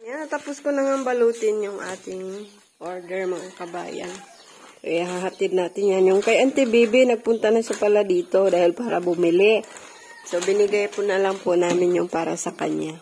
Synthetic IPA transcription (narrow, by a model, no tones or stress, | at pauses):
jant̪ɐpʊskonɐŋɐŋbɐluːt̪ɪnjʊŋʔaːt̪ɪŋ | ʔoɹd̪ɛɹmɐŋakɐba̰ːjɐ̰n | kɐjaɦaɦɐt̪ɪd̪̚naːt̪ɪnjanjʊŋkɐjʔɐnt̪ɪbibinɐɡ̚pʊnt̪ɐnɐʃapɐlad̪iːt̪o̞d̪aːhɪlpaːɾɐ̰bʊmɪlɪ | so̞bɪnɪɡajpʊnɐlɐŋpʊnaːmɪnjʊŋpaːɾɐsɐkɐ̰ɲja